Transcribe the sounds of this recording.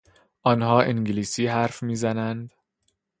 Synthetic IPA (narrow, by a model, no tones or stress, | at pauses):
ʔɒːnɦɒːʔiŋɟliːsiːɦæɾfmiːzænænd̪